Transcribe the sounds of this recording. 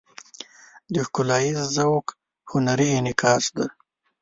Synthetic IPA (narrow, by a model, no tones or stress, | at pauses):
d̪əxkʊlɑjizzawk | hʊnaɾiːnɪkʰɑːsd̪a